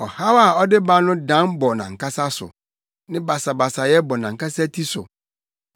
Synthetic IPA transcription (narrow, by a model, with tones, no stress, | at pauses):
ɔ˨ha˦wa˨ɔ˦dɪ˦ba˦nʊ̃˦dã˦nbɔ˨nã̰˨ŋ̩˨kʰa˦sa˦sʊ̰˨ | nɪ̃˦ba˨sa˨ba˨sa˨jɛ˦bɔ˨nã˨ŋ̩˨ka˦sa˦tʰi˦sʊ̰˨